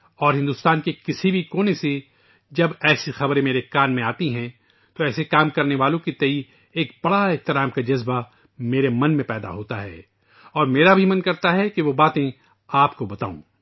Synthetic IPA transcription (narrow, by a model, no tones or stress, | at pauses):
ɔːɾɦɪ̃nd̪ʊːst̪aːnkekɪsibʱikoːnese | d͡ʒɐbɛːsixɐbɾẽmeːɾekaːnmẽaːt̪iɦɛ̃ | t̪oɛːsekaːmkɐɾneʋaːlõkit̪ɐi | eːkb̥ɐɽaeɦt̪ɪɾaːmkad͡ʒɐzba | meːɾemɐ̃nmẽpɛːd̪a̰ɦoːt̪aɦɛ̰ː | ɔːɾmeːɾabʱimɐ̃nkɐɾt̪aɦɛkeʋobaːt̪ẽ | aːpkobɐt̪a̰ːṵ̃ː